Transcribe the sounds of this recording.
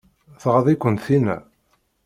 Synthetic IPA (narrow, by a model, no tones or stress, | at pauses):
θʁəðˤikʷːənt̪θinæ̰